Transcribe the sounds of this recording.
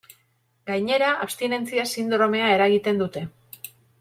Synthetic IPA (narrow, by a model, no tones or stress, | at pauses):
ɡajɲe̞ɾaʔapst̪ine̞nt͡siasind̪ɾo̞me̞ae̞ɾaɣit̪e̞nd̪ut̪e̞